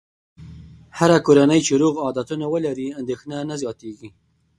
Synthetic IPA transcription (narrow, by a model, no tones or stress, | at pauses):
haɾakoɾanəjt͡ʃeɾoɣɑd̪at̪unawəlaɾiand̪exnanazjɑt̪eɡi